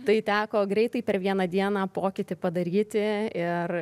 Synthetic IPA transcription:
t̪ɐɪt̪ʲæːkoːɡɾʲɛɪt̪ɐɪpʲɛɾʋʲiɛnɐd̪ʲiɛnɑːpoːkʲɪt̪ʲɪpɐd̪ɐɾʲiːt̪ʲɪɪr

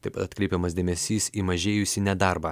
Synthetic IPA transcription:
t̪ɐɪpɐt̪ɐt̪ʲkɾʲɛɪpʲɛmɐsd̪ʲeːmʲɛsʲiːsiːmɐʒʲeːjʊsʲiːnʲɛd̪ɑɾbɑː

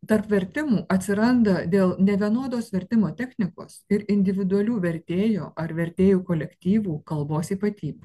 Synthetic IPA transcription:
t̪ɐɾpʋʲɛɾʲt̪ʲɪmuːʔɐt̪ʲsʲɪɾɐnd̪ɐd̪ʲeːlˠnʲɛʋʲiɛnoːd̪oːsʋʲɛɾʲt̪ʲɪmoːt̪ʲɛxʲnʲɪko̰ːsɪɾɪnʲd̪ʲɪʋʲɪd̪ʊɐlʲuːʋʲɛɾʲt̪ʲeːjo̰ːʔɐɾʋʲɛɾʲt̪ʲeːjuːkoːlʲɛkt̪ʲiːʋuːkɐlˠboːsiːpɐt̪ʲiːbʲu

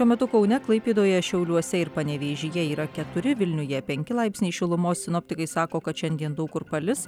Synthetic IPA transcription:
ʃuɔmʲɛt̪ʊkɐʊnʲɛklˠɐɪpʲiːd̪oːjɛʃʲɛʊlʲuɔsʲɛɪɾpɐnʲɛʋʲeːʒʲɪjɛiːɾɐkʲɛt̪ʊɾʲɪʋʲɪlʲnʲʊjɛpʲɛŋʲkʲɪlˠɐɪpʲsʲnʲiɪʃʲɪlˠʊmoːssʲɪnoːpʲt̪ʲɪkɐɪsɑːkoːkɐt̪ʃʲɛnʲd̪ʲiɛnd̪ɐʊkʊɾpɐlʲɪs

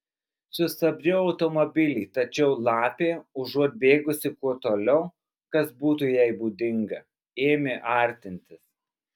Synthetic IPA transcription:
sʊst̪ɐbʲɾʲʊɒʊt̪ɔmobʲɪlʲiːt̪ɐt͡ʃʲɛʊlˠɑːpʲeːʊʒuɔt̪̚ʲbʲeːɡʊsʲɪkuɔt̪oːlʲɛʊ | kɐsbuːt̪uːjɛɪbuːd̪ʲɪŋɡɐ | eːmʲɪʔɐˑɾʲt̪ʲɪnʲt̪ʲɪs

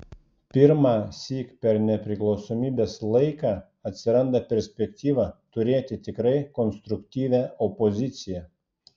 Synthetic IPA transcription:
pʲɪɾmɑːsʲiːkpʲɛɾnʲɛpʲɾʲɪklˠɒʊsoːmʲiːbʲeːslˠɐɪkɑː | ɐt̪ʲsʲɪɾɐnd̪ɐpʲɛɾʲsʲpʲɛkt̪ʲiːʋɑːt̪ʊɾʲeːt̪ʲɪt̪ʲɪkɾɐɪkɔnst̪ɾʊkt̪ʲiːʋʲæːɔpɔzʲɪt̪sʲɪjɛ

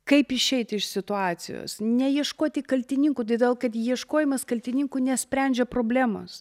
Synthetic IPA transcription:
kɐɪpɪʃʲɛɪt̪ʲɪʃsʲɪt̪ʊɑːt͡s̪ʲɪ̰jo̰ːsnʲɛjiɛʃkoːt̪ʲɪkɐlʲt̪ʲɪnʲɪŋkuːt̪ɐd̪ʲeːlˠkɐt̪jiɛʃkoːjɪmɐskɐlʲt̪ʲɪnʲɪŋkunʲɛsʲpʲɾʲænʲd͡ʒʲɛpɾoːbʲlʲæːmo̰ːs

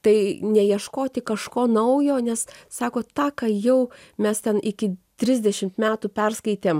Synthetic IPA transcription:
t̪ɐɪnʲɛjiɛʃkoːt̪ʲɪkɐʃkoːnɐʊjoːnʲɛssɑːkoːt̪ɑːkɑjɛʊ | mʲɛst̪ʲɛnʔɪkʲɪt̪ʲɾʲɪzʲd̪ʲɛʃʲɪmt̪mʲæːt̪upʲɛrskɐɪt̪ʲeːm

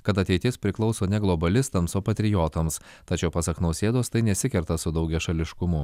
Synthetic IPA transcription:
kɐt̪ɐt̪ʲɛɪt̪ʲɪspʲɾʲɪklˠɒʊsoːnʲɛɡlˠɔbɐlʲɪst̪ɐmsoːpɐt̪ʲɾʲɪjoːt̪oːms | t̪ɐt͡ʃʲɛʊpɐsɐknɐʊsʲeːd̪oːst̪ɐɪnʲɛsʲɪkʲɛɾt̪ɐsʊd̪ɐʊɡʲɛʃɐlʲɪʃkʊmʊ

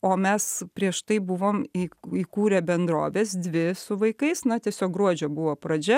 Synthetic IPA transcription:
oːmʲɛspʲɾʲiɛʃt̪ɐɪbʊʋoːmiːiːkuːɾʲɛːbʲɛnd̪ɾo̰ːʋʲeːsd̪ʲʋʲɪsʊʋɐɪkɐɪsnɐt̪ʲiɛsʲoːk̚ɡɾuɔd͡ʒʲoːbʊʋoːpɾɐd͡ʒʲɛ

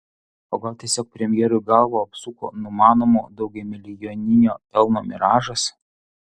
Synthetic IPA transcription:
oːɡɐlˠt̪ʲiɛsʲoːk̚pʲɾʲɛmʲɪjɛːɾʊjɡɐlˠʋoːɐpsuko̰ːnʊmɑːnoːmoːd̪ɒʊɡʲɛmʲɪlʲɪjoːnʲɪnʲoːpʲɛlˠnoːmʲɛ̰ɾɑːʒɐs

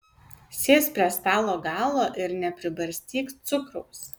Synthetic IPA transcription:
sʲeːspʲɾʲiɛst̪ɑːlˠoːɡɑːlˠoːʔɪɾnʲɛpʲɾʲɪbɐɾʲsʲt̪ʲiːkt̪sʊkɾʊʊs

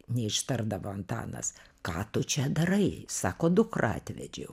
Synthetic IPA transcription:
nʲɛɪʃt̪ɐrd̪ɐʋoːɐnt̪ɑ̰ːnɐ̰skɑːt̪ʊt͡ʃʲɛd̪ɐrɐɪsɑːkoːd̪ʊkrɑ̰ːt̪ʲʋʲɛ̰d͡ʒʲɛ̰ʊ

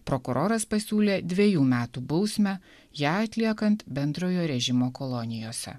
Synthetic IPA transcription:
pɾokʊɾʔoːɾɐspɐsʲuːlʲeːd̪ʲʋʲeɛjuːmʲæːt̪uːbɒʊsʲmʲæ | jæːɐt̪ʲlʲiɛkɐnt̪bʲɛnd̪ɾoːjoːɾʲɛʒʲɪmoːkɔlˠɔnʲɪjoːsʲɛ̰

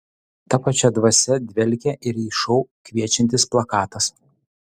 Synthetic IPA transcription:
t̪ɐpɐt͡ʃʲɛd̪ʋɐsʲɛd̪ʲʋʲɛlʲkʲɛʔɪɾiːʃɔʊkʲʋʲiɛt͡ʃʲɛnʲt̪ʲɪsplˠɐkɑːt̪ɐs

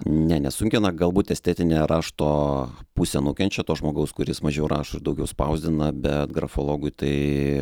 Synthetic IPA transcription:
nʲɛnʲɛsʊŋʲkʲɪnɐɡɐlˠbuːt̪ɛsʲt̪ʲæːt̪ʲɪnʲeːɾɑːʃt̪oːpusʲɛnʊkʲɛnʲt͡ʃʲɛt̪oːʒmoːɡɐʊskʊɾʲɪsmɐʒʲɛʊɾɑ̰ːʃʊɪɾd̪ɐʊɡʲɛʊspɐʊzʲd̪ʲɪnɐbʲɛt̪ɡɾɐfoːlˠoːɡʊɪt̪ɐɪ

